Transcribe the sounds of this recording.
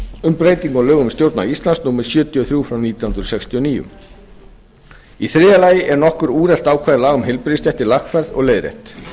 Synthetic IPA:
ʏmpɾeːjt̪iŋkɔɣlœːɣʏmst̪jowɾt̪na̰ist̪lansnuːmɪɾ̥sjʏːt̪jɔθɾjuːfɾawniːt̪jahunt̪ɾʏ̥sɛkst̪ʰiɔniːjʏ̰m | iθɾɪːðalaːjɪʔɛɾnɔhkʏɾuːɾɛl̥t̪aːwkʰvaːðɪlaɣʏmhɪjlpɾɪðɪst̪jɛht̪ɪlaxfɛɾðɔ̰ɣleːjðɾḛht̪

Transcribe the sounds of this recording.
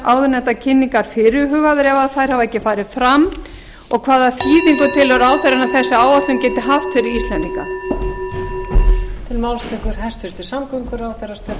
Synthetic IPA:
aːwðʏnɛt̪acʰɪnːiŋkaɾ̥fɪɾɪɦʏɣaðɪɾɛvaðθajɾ̥havaɛhcːɪfaːjɾɪfɾamː | ɔɣkʰvaːðafiːðiŋkʏt̪ʰɪlɔɾaːwθɛɾanawθɛsːɪaːwvat̪lʏmcɛːt̪ɪɦaft̪fɪɾɪist̪lɛnt̪iŋka̰ | t̪ʰɪlmawlst̪ɪkʏɾ̥hɛst̪fʏɾ̥t̪ɪ̥samkɔŋkʏɾaːwθɛrast̪œ

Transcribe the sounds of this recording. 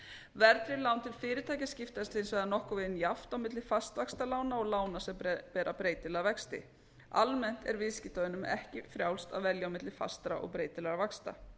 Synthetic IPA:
vɛɾt̪ɾɪlaːwnt̪ʰɪlfɪːɾɪt̪ʰaːjcascɪft̪aɪst̪ɪðɪnsvajðanɔhkʏvɪðɪnjaft̪awmɪt̪lɪ̥fast̪vakst̪alaːwnaɔɣlaːwnasɛmpɛːɾʔapɾeːjt̪ɪlɛɣavɛkst̪ɪ̰ | a̰lmɛn̥t̪ɛ̰ɾvɪðscɪt̪aɪnʏmɛhcɪfɾjawlst̪a̰ðvɛljawmɪt̪lɪ̥fa̰st̪ɾa̰ʔɔ̰ɣpɾeːjt̪ɪlɛɾavakst̪a̰

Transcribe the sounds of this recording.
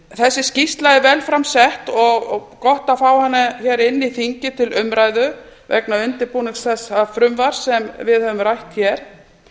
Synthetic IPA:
θɛsːɪscist̪lajðɪvɛlfɾamsɛht̪ɔɣkɔht̪afaːwhanːaçɛːɾɪnːiθiɲcɪt̪ʰɪlʏmɾaːjðʏ | vɛ̰knaʏnt̪ɪɾpunɪŋsθɛsaðfɾʏmvaɾ̥sɛmvɪðhœvʏmɾajht̪çɛɾ̥

